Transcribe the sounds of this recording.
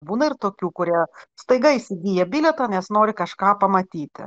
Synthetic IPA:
buːnɐɪrt̪oːkʲuːkʊɾʲiɛst̪ɐɪɡɐɪsʲɪɡʲiːjɛbʲiːlʲɛt̪ɐːnʲɛsnoːɾʲɪkɐʃkɑːpɐmɐt̪ʲiːt̪ʲɪ̰

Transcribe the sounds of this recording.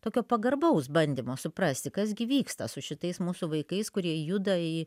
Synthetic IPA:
t̪oːkʲoːpɐɡɐrbɐʊsbɐnʲd̪ʲimoːsʊpɾɐsʲt̪ʲɪkɐzɡʲɪʋʲiːkst̪ɐsʊʃʲɪt̪ɐɪsmuːsuʋɐɪkɐɪskʊɾʲiɛjud̪ɐɪ

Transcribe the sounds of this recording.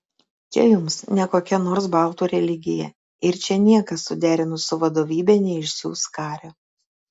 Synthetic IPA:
t͡ʃʲɛ̰jʊmsnʲɛkoːkʲɛnoːɾsbɑlˠt̪uːɾʲɛlʲɪɡʲɪjɛ̰ | ɪɾt͡ʃʲɛnʲiɛkɐsːʊd̪ʲæːɾʲɪnʊsʊʋɐd̪oːʋʲiːbʲɛnʲɛɪʃsʲṵːskɑːɾʲo

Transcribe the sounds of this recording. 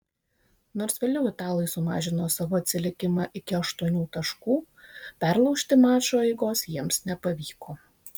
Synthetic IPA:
noːɾsʋʲeːlʲɛʊɪt̪ɑːlˠɐɪsʊmɑ̰ːʒʲɪnoːsɑʋoːɐt̪ʲsʲɪlʲɪkʲɪmɑʔɪkʲɪɐʃt̪uɔnʲuːt̪ɐʃkuː | pʲæɾlˠɒʊʃʲt̪ʲɪmɑːt͡ʃoːɛɪɡoːsjiɛmsnʲɛpɐʋʲiːkoː

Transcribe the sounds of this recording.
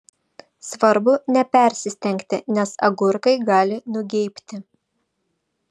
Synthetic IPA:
sʋɐɾbʊnʲɛpʲɛˑɾʲsʲɪsʲt̪ʲɛŋʲkt̪ʲɪnʲɛsɐ̰ɡʊɾkɐɪɡɑːlʲɪnʊɡʲɛɪpʲt̪ʲɪ

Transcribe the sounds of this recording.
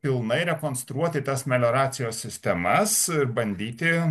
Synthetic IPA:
pʲɪlˠnɐɪɾʲɛkoːnst̪ɾuɔt̪ʲɪt̪ɐsmʲɛlʲoːɾɑːt̪sʲɪjoːsʲsʲɪsʲt̪ʲɛmɐsɪɾbɐnʲd̪ʲiːt̪ʲɪ

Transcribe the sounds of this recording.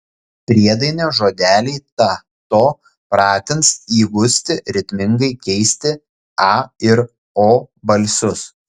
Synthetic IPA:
pʲɾʲiɛd̪ɐɪnʲoːʒoːd̪ʲæːlʲiɪt̪ɑ | t̪oː | pɾɑːt̪ʲɪnsiːɡʊsʲt̪ʲɪɾʲɪt̪ʲmʲɪŋɡɐɪkʲɛɪsʲt̪ʲɪ | ɑːɪɾ | oːbɐlʲsʲʊs

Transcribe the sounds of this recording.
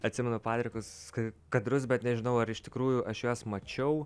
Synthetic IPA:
ɐt̪ʲsʲɪmʲɛnʊpɑːt̪ʲɾʲɪkʊskɐkɐd̪ɾʊsbʲɛt̪nʲɛʒʲɪnɐʊɐɾɪʃt̪ʲɪkɾuːjʊʔɐʃjoːsmɐt͡ʃʲɛʊ

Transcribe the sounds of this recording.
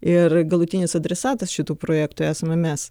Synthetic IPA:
ɪrɡɐlˠʊt̪ʲɪnʲɪsɐd̪ʲɾʲɛsɑːt̪ɐsʃʲɪt̪uːpɾoːjæːkt̪uːæːsɐmʲɛmʲɛs

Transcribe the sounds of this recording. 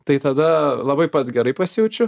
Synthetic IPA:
t̪ɐɪt̪ɐd̪ɐlˠɐbɐɪpɐt̪sɡʲɛɾɐɪpɐsʲɪjɛʊt͡ʃʲʊ

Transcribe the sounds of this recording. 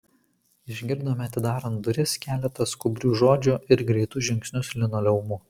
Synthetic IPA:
ɪʒʲɡʲɪɾd̪oːmʲɐt̪ʲɪd̪ɑːɾɐnd̪ʊɾʲɪskʲæːlʲɛt̪ɐskʊbʲɾʲuːʒoːd͡ʒʲʊˑʔɪɾɡɾʲɛɪt̪ʊʒʲɪŋʲksʲnʲʊslʲɪnoːlʲɛʊmʊ

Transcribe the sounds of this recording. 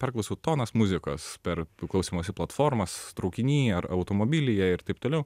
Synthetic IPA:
pʲɛrklˠɐʊsʲɛʊt̪oːnɐsmʊzʲɪkoːspʲɛɾklˠɐʊsʲiːmoːsʲɪplˠɐt̪foːɾmɐst̪ɾɐʊkʲɪnʲiːɐɾɐʊt̪oːmoːbʲɪlʲɪjɛɪɾt̪ɐɪpt̪oːlʲɛʊ

